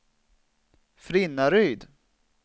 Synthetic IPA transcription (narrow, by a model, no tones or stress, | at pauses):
fɾɪnːaɾyːd̪